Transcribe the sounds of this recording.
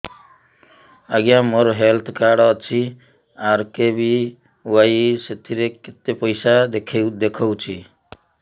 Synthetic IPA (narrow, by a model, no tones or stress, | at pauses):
aɡjamoɾɦelt̪ʰkaɽʌt͡sʰi | aɾkebi | wajset̪ʰiɾeket̪epʌjsad̪ekʰewd̪ekʰɔwt͡ʃʰi